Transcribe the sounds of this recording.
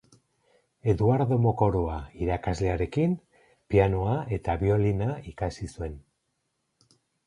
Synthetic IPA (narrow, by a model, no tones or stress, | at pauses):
e̞ðuaɾðo̞moko̞ɾoaiɾakazle̞aɾe̞kin | pianoae̞t̪aβio̞linaikasisue̞n